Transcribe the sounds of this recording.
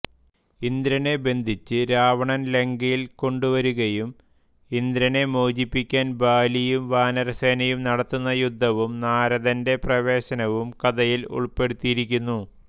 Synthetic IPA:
ind̪ɾɐne̞be̞nd̪ʱit͡ɕːɨɾaːʋɐɳɐnle̞ŋɡɐjilko̞ɳɖuʋɐɾuɣɐjum | ind̪ɾɐne̞moːd͡ʑipːikʲːaːnbaːlijumʋaːnɐɾɐseːnɐjumnɐɽɐt̪ːunːɐjud̪ʱːɐʋumnaːɾɐðɐnde̞prɐʋe̞ːɕɐnɐʋumkɐðɐjilṵɭpe̞ɽut̪ːijiɾikʲːunːu

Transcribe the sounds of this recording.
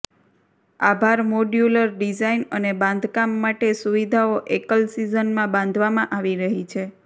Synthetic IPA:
abʱaɾmoɖjuləɾɖid͡ʒainənebãnd̪ʱkamːaʈesuʋid̪ʱaoʔekəlsizənmãbãnd̪ʱʋamãʔaʋiɾəɦit͡ʃʰe

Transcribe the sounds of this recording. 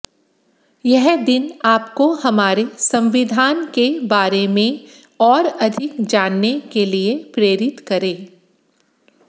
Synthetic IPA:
jɛɦd̪ɪnaːpkohɐmaːɾesɐ̃mʋɪd̪ʱaːnkebaːɾemẽ | ɔːɾɐd̪ʱɪkd͡ʒaːnːekeliepɾeːɾɪt̪kɐɾẽː

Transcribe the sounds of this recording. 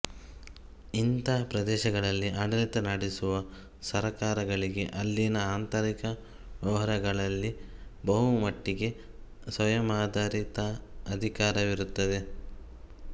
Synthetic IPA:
int̪apɾɐd̪ɛːʃɐɡɐɭɐlːiaːɖɐlit̪ɐnɐɽisuʋɐ | sɐɾɐkaːɾɐɡɐɭiɡe̞ʔɐlːinɐaːnt̪ɐɾikɐ | ʋjɐʋɐɦɐɾɐɡɐɭɐlːibɐɦumɐʈːiɡe̞ | sʋɐjɐmaːd̪ʱaːɾit̪ɐɐd̪ʱikaːɾɐʋiɾut̪ːɐd̪e̞

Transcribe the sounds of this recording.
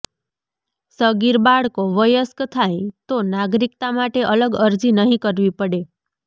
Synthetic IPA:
səɡiɾbaɽkoʋəjəskt̪ʰajt̪onaɡɾikt̪amaʈeʔələɡəɾd͡ʒinəɦĩkəɾʋipəɽe

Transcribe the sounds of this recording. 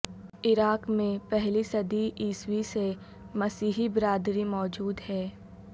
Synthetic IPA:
ɪɾaːkmẽpɛɦlisɐd̪iʔiːswise | mɐsiːɦibɪɾaːd̪ɾimɔːd͡ʒuːd̪hɛː

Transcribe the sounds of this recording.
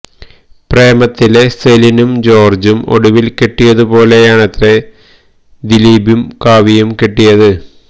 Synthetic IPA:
pre̞ːmɐt̪ːile̞selinumd͡ʑo̞ːrd͡ʑumo̞̰ɽuʋilkeʈːijɐðupo̞ːle̞jaːɳɐt̪re | d̪iliːbjumkaːʋijumkeʈːijɐðɨ

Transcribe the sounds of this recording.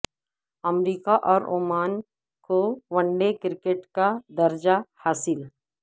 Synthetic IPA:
ɐmɾiːkaʔɔːɾoːmaːn | koʋɐ̃ɳɖekɪɾkeʈkad̪ɐɾd͡ʒahaːsɪl

